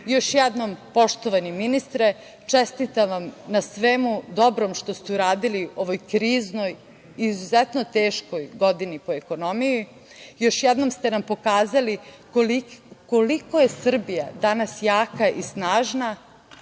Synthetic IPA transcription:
jo̞ʃjɛd̪no̞mpo̞ʃt̪oʋaniminist̪ɾe | t͡ʂest̪it̪aʋamnasʋemud̪o̞bɾo̞mʃt̪o̞st̪euɾaːd̪ilio̞ʋo̞jkɾiːzno̞j | izuzet̪not̪eːʃko̞jɡo̞d̪inipo̞eko̞no̞miji | jo̞ʃjɛd̪no̞mst̪enampo̞kaːzali | kolikoliko̞jesr̩bijad̪anasjaːkaʔisnaːʒna

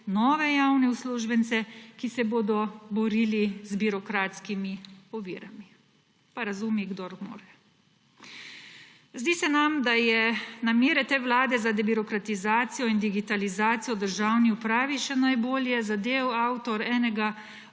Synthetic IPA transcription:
nɔːʋɛjawnɛusluːʒbɛnt̪sɛkisɛboːd̪ɔbɔɾiːlizbiɾɔkɾaːt̪skimiɔʋḭːɾami | paɾazumiɡd̪ɔɾmo̰ːɾɛ | zd̪iːsɛnamd̪ajɛnamjeːɾɛt̪eːwlaːd̪ɛzad̪ɛbiɾɔkɾat̪izaːt̪sijɔind̪iɡit̪alizaːt̪sijɔd̪əɾʒawniupɾaːʋiʃɛnajboːljɛzad̪eːwaːwt̪ɔɾɛːnɛɡa

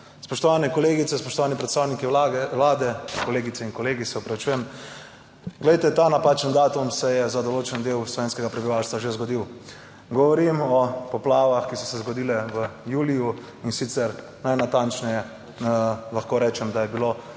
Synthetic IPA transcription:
spɔʃt̪ɔʋaːnɛkɔleːɡit̪sɛspɔʃt̪ɔʋaːnipɾɛt̪st̪aːwnikilaːd̪ɛkɔleːɡit̪sɛinkɔleːɡisɛɔpɾɐʋit͡ʃuːjɛm | ɡlɛjt̪ɛt̪anapaːt͡ʃənd̪aːt̪umsɛjɛzad̪ɔloːt͡ʃɛnd̪ewslɔʋeːnskɛɡapɾɛbiʋaːwst̪ʋaʒezɡɔd̪iw | ɡɔʋɔɾimɔpɔplaːʋaxkisɔsɛzɡɔd̪iːlɛʋəjuːliju | insit̪sɛɾ | najnat̪ant͡ʃnɛjɛ | laxkoɾɛːt͡ʃɛmd̪ajɛbilo

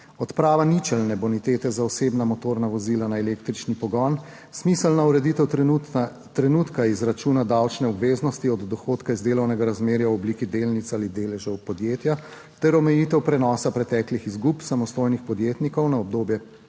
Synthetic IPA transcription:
ɔt̪pɾaːʋanit͡ʃɛlnɛbɔnit̪eːt̪ɛzaɔseːbnamɔt̪oːɾnaʋɔziːlanaɛleːkt̪ɾit͡ʃnipɔɡɔn | smisəlnauɾɛd̪it̪ɛw | t̪ɾɛnut̪kaizɾat͡ʃuːnad̪awt͡ʃnɛɔbʋeːznɔst̪iɔd̪ːɔxoːt̪kaizd̪eːlɔwnɛɡaɾazmeːɾjawɔbliːkid̪eːlnit̪saːlid̪eːlɛʒɔwpɔd̪jeːt̪ja | t̪ɛɾɔmɛjiːt̪ɛwpɾɛnɔːsapɾɛt̪ɛːklixizɡupsamɔst̪oːjnixpɔd̪jeːt̪nikɔwnaɔb̚d̪oːbjɛ

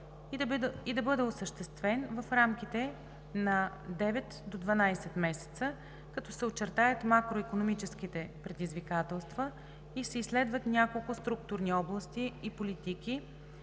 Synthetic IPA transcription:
id̪ɐbɤd̪ɛosəʃt̪ɛst̪vɛnvəfɾamk̟it̪ɛ | nɐ | d̪ɛvɛt̪d̪od̪vɐnajsɛt̪mɛsɛ̥t̪sə | kɐt̪ɔsɛot͡ʃːɛɾt̪ajət̪makɾoikonomit͡ʃɛsk̟it̪ɛpɾɛd̪izvikat̪ɛlˠst̪və | isɛislɛd̪vət̪nʲjakolˠkʊst̪ɾuk̚t̪ʊɾniɔblˠɐst̪iːpolit̪iki

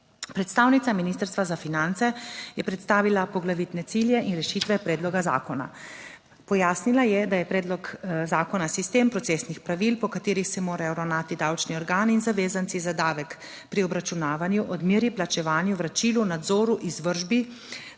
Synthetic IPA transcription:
pɾɛt̪st̪aːwnit̪saminist̪əɾst̪ʋazafinant̪sɛjɛpɾɛt̪st̪aːʋilapɔɡlaʋit̪nɛt̪siljɛʔinɾɛʃiːt̪ʋɛpɾɛːd̪lɔɡaza̰ːkɔna̰ | pɔjaːsnilajɛd̪ajɛpɾɛːd̪lɔkzaːkɔnasist̪eːmpɾɔt̪seːsnixpɾaʋilpɔkat̪eːɾixsɛmoːɾajɔɾawnaːt̪id̪awt͡ʃniɔɾɡaːninzaʋeːzansizad̪aːʋɛk | pɾiɔbɾat͡ʃunaːʋanjuʔɔd̪miɾiplat͡ʃɛʋaːnjuʋɾat͡ʃilunad̪zɔːɾuʔizʋəɾʒbi

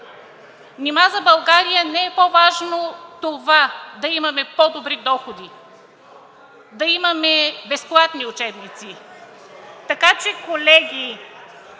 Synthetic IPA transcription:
nʲimazɐbɐlˠɡaɾijənɛɛpovaʒnot̪ovad̪ɐimɐmɛpɔd̪obɾid̪ɔxod̪i | d̪ɐimɐmɛbɛsplˠat̪niʊt͡ʃɛbnit̪si | t̪ɐkat͡ʃɛkolɛɡʲi

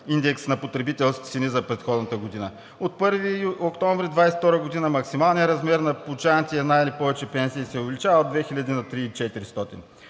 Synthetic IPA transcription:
ind̪ɛksnɐpot̪ɾɛbit̪ɛlˠskʲi̥sinizɐpɾɛt̪xɔd̪nət̪əɡod̪inə | ot̪̚pɤɾviokt̪ɔɱvɾid̪vajsɛ̥ft̪ɔɾəɡod̪inəmɐksimalˠnʲijəɾɐzmɛɾnɐpʊt͡ʃant̪iɛnajilipɔvɛt͡ʃɛpɛnsiːsɛʊvɛlit͡ʃavəod̪vɛxilʲɐd̪inɐt̪ɾiːt͡ʃɛt̪iɾist̪ɔt̪in

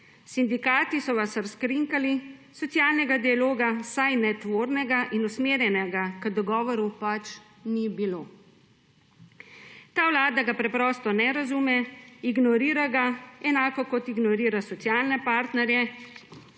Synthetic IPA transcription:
sind̪ikaːt̪isɔʋasəɾskɾiŋkalisɔt̪sjaːlnɛɡad̪ialoːɡasajnɛt̪ʋoːɾnɛɡaʔinusmeːɾjɛnɛɡakəd̪ɔɡɔːʋɔɾupat͡ʃ | nibiloː | t̪aːwlaːd̪aɡapɾɛpɾɔːst̪ɔnɛɾazumɛiɡnɔɾiːɾaɡaɛnaːkɔkɔt̪iɡnɔɾiːɾasɔt̪sijaːlnɛpaːɾt̪nɛɾjɛ

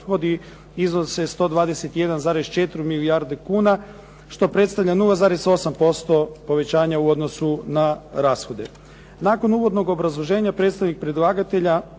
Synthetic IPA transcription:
xo̞d̪i | iznosest̪o̞ːd̪ʋaːd̪e̞se̞t̪ije̞d̪anzaːɾe̞st͡ʃe̞t̪ɾimilijaɾd̪ekuːna | ʃt̪o̞pɾe̞t̪st̪aʋʎʲanulˠazaːɾe̞so̞sampo̞st̪o̞po̞ʋe̞t͡ɕaːɲauo̞d̪no̞sunaɾaːsxo̞d̪e̞ | naːko̞nuːʋo̞d̪no̞ɡo̞bɾazlˠo̞ʒe̞ːɲapɾet̪st̪aʋnik̚pɾed̪lˠaːɡat̪e̞ʎa

